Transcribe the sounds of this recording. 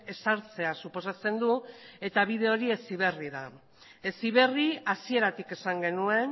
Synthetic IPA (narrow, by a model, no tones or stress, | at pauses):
e̞saɾt͡se̞asupo̞sat͡se̞nd̪ue̞t̪aβ̞iðe̞o̞ɾie̞siβ̞e̞riða | e̞siβe̞riasie̞ɾat̪ike̞saŋɡe̞nue̞n